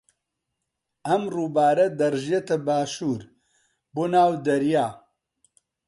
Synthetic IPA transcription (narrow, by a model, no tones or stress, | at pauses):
ɐmruːbaːɾɐd̪ɐɾʒiet̪ɐbaːʃuːɾ | boːnaːwd̪ɐɾjaː